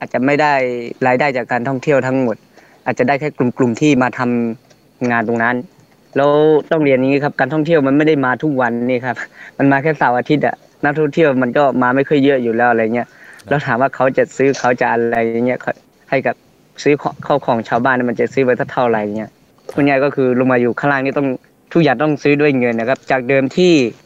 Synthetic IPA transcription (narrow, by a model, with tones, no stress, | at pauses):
ʔaː˨˩t̪̚t͡ɕa˨˩ma˥˩jda˥˩jlaː˧jdaː˥˩jt͡ɕaː˨˩kːaː˧nt̪ʰɔ˥˩ŋt̪ʰi˥˩əwt̪ʰa˦˥ŋmo˨˩t̪̚ | ʔaː˨˩t̪̚t͡ɕa˨˩da˥˩jkʰa˥˩klu˨˩mklu˨˩mt̪ʰiː˥˩maː˧t̪ʰa˧m | ŋaː˧nt̪o˨˧ŋna˦˥n | lɛː˦˥wwt̪ɔ˥˩ŋli˧ənja˨˧ŋiː˦˥˩kʰa˧˥p̚kaː˧nt̪ʰɔ˥˩ŋt̪ʰi˥˩əwma˧nma˥˩jda˥˩jmaː˧t̪ʰu˦˥k̚wa˧nːiː˧˩˨kʰa˧˥p̚ma˧nmaː˧kʰɛː˥˩saː˨˦wʔaː˧t̪ʰi˦˥t̪̚ʔa̰˨˩ | na˦˥k̚t̪ʰɔ˥˩ŋt̪ʰi˥˩əwma˧nkɔː˥˩maː˧ma˥˩jkʰɤː˧˥˨jːɤ˦˥˨juː˨˩lɛː˦˥wʔa˧ɾa˧ja˨ŋːni˧˥ɐ˨ʔlɛː˦˥t̪ʰaː˨˦mwaː˧˩kʰa˨˦wt͡ɕa˨˧˩sɯː˦˥kʰa˨˦wt͡ɕa˧˩ʔa˧la˧jːa˨˩ŋːi˧˥ɐ˨kʰɔ˧˩ | ha˧˩jka˧˩ | sɯː˦˥kʰkʰa˥˩wkʰɔː˨˩˦ŋt͡ɕʰaː˧wbaː˥˩naː˧˩m˧nt͡ɕa˨˩sɯː˦˥˦pa˧jt̪ʰa˥˩t̪ʰa˧˥˩wla˧˩ja˨˩ŋːi˦˥ɐʔ | kʰu˧˩˨ŋaː˧˩jkɔː˥˩kʰɯː˧lo˧maː˧juː˨˩kʰa˧˩laː˧˩ŋniː˧˩t̪ɔ˥˩ŋ | t̪ʰu˧˥k̚jaː˨˩ŋt̪ɔ˥˩ŋsɯː˦˥du˧˥˩əjŋɤ˧nːa˧˩kʰa˧˥p̚t͡ɕaː˨˩k̚dɤː˧mt̪ʰiː˥˩